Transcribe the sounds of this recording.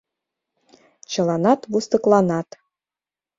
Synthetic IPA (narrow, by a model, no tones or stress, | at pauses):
t͡ɕɤ̆lˠɑnɑt̪βust̪ɤ̆klˠɑnɑt̪